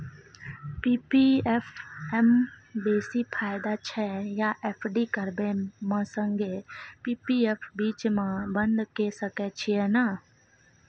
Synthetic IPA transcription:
piːpiefʰɛmbeːsipʰaːɪd̪at͡ʃʰɛjaʔepʰɖikəɾbemãsə̃ŋɡepiːpiepʰbiːt͡ʃmãbə̃nd̪kesəkɛt͡ʃʰiɛna

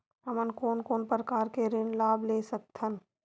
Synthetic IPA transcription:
ɦəmənkoːnkoːnpɾəkaːɾkeɾɪnlaːblesək̚t̪ʰən

